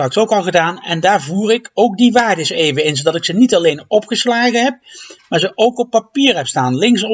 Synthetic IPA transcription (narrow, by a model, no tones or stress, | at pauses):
rɑksowkɑlˠχədaːnɛndaːɹvuːrɪkowk̚diʋaːɹdəsejvəɪnzowdɑtɪksənitɑlejnɔpχəslaːɣəɦɛp̚maːɹzəʔowkɔpːapiːɹɦɛpstaːnlɪŋs